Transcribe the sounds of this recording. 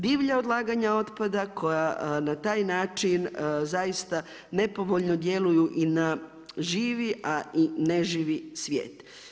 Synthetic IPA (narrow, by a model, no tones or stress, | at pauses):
d̪iːʋʎaod̪lˠaːɡaɲao̞t̪pad̪akʰo̞janat̪aːjnaːt͡ʃinzajist̪a | ne̞po̞ʋoʎnod̪je̞lujuʔina | ʒiːʋiʔaineʒiːʋisʋjḛːt̪